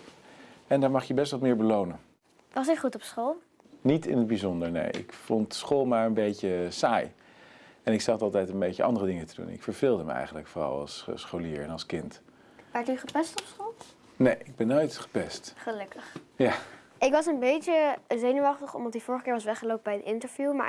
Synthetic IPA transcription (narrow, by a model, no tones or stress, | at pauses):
ɛndaːɹmɑχjəbɛstʋɑt̚mɪːɹbəlownən | ʋɑsɪχutɔpsχolˠ | nitɪ̰nəd̚bizɔndəɹnḛjɪ̰kfɔntsχoːlˠmaːɹənbejcəsaːj | ɛnɪksɑχtɑlˠtɛjtənbejcəʔɑ̰ndərədɪŋətədṵnɪ̰kfəɹv̥ɪːlˠdəməɛ̰jχənləkforɑ̰lˠɑ̰lˠssχowliːɹɛnɑlˠskɪnt | ʋɛɹtyχəpɛstɔpsχolˠ | nejɪɡ̚bɛnːojtχə̥pɛstχəlɵkəχjaː | ɪkʋɑsənbejtəzejnuʋɑχtəχɔ̰mdɑtifʊːɹəχəkɪːɹʋɑsʋɛχəlowp̚əbɛjdəɪntəɹvjuma̰ː